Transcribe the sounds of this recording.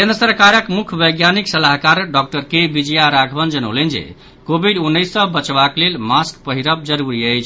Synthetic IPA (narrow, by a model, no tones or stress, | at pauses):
kend̪ɾəsəɾkaɾəkmukʰbəjɡjaniksəlaɦkaɾɖɔk̚ʈəɾkebid͡ʒəjaɾaɡʱbʱənd͡ʒənə̰lend͡ʒḛ | kobʱiɖunːəjsːəbət͡ʃbaklelmaskpəɦiɾəb̚d͡ʒəɾuɾiəjt͡ʃʰ